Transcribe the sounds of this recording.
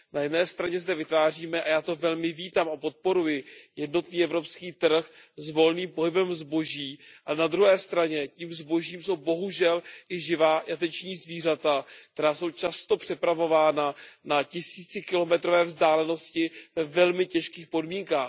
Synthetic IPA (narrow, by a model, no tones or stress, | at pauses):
najɛdnɛːst̪ɾaɲɛzdɛvɪt̪vaːriːmɛʔajaːt̪o̞vɛlmɪviːt̪amapo̞t̪̚po̞ɾujɪjɛdnot̪niːʔɛvɾo̞pskiːt̪r̩xzvo̞lniːmpo̞ɦɪbɛmzbo̞ʒiːʔanad̪ɾuɦɛːst̪ɾaɲɛciːmzbo̞ʒiːmso̞wbo̞ɦuʒɛlʔɪʒɪvaːjat̪ɛt͡ʃɲiːzviːr̝at̪ak̚t̪ɛɾaːso̞wt͡ʃast̪o̞pr̝̥ɪpɾavo̞vaːnanacɪsiːt͡sɪkɪlo̞mɛt̪ɾo̞vɛːvzdaːlɛno̞scɪvɛvɛlmɪcɛʃkiːxpo̞dmiːŋkaːx